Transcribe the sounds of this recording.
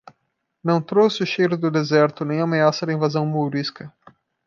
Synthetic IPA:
nɐ̃w̃t̪ɾosɪʊʃejɾʊd̪ʊd̪ezɛɾt̪ʊnẽj̃ameasɐd̪ɪĩvazɐ̃w̃mowɾiskɐ

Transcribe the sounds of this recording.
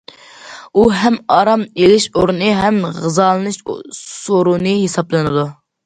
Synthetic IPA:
uɦɛmɑɾɑmelɪʃoɾnɨɦɛmʁɨzɑːlˠɨnɨʃsoɾunɨɦesɑblˠɨnɨd̪u

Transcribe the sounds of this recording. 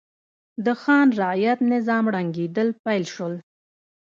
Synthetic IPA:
d̪əxɑnɾajat̪nɪzɑmɽaŋɡed̪əlpajlʃəl

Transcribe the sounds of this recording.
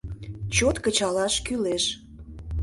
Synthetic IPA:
t͡ɕot̪kət͡ɕɑlɑʃkyleʃ

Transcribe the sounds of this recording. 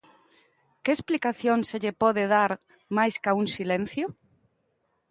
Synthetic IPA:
keːsplikaθjoŋseʎepɔðeðaɾ | majskaunsilẽn̟θjo

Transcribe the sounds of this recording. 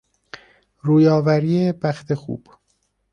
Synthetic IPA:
ɾuːjɒːvæɾiːebæxt̪ʰe̞xṵːb̥

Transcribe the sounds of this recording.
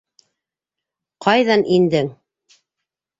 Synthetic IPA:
qʰɑjðɑnʔind̪ɘŋ

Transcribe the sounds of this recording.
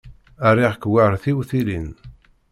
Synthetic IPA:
æriʁkwaɾθiwθilin

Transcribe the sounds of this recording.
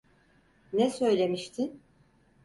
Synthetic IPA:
nɛsø̞jlʲe̞miʃt̪ʰin

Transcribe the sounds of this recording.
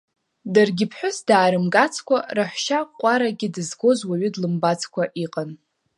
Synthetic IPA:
darɡʲɪpʰħʷᶣʊsdaːɾɨmɡat͡sʰkʷaraħʷʃaqʷʼaɾaɡʲɪdɨzɡo̞zwaɥʏdlɨmbat͡sʰʼkʷaʔiqʼan

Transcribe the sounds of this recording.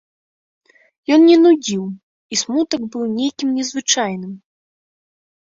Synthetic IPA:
jɔnnʲɛnud͡zʲiw | ismut̪ɐɡbɨwnʲejkʲimnʲɛzvɨt͡ʂajnɨm

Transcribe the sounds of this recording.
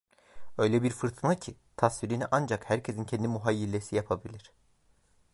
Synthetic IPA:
ø̞jlʲɛbiɾfɯɾt̪ʰɯnacʰi | t̪ʰasviɾiniʔand͡ʒakhæɾcʰesincʰɛnd̪imuɦajːilʲːesijapʰabilʲiɾ̝̥

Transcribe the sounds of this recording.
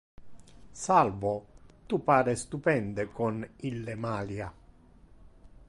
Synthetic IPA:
salvot̪upaːɾest̪upɛnd̪ekonilːemaːlja

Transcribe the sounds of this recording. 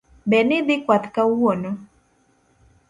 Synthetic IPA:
bɛnɪd̪ɪkwat̪kawɔnɔ

